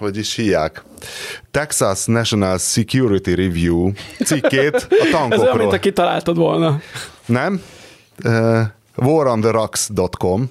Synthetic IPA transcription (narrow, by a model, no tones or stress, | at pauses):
oɟiʃhijaːk | t̪ɛksasnɛʃonalsikjuɾit̪iɾivjuːsikːeːt̪ɒt̪ɒŋɛzooɒmmoinːɒkit̪ɒla̰ːlt̪ɒd̪ʋolnɒnɛm | voːɾɒnd̪əɾɒksd̪ot̪kom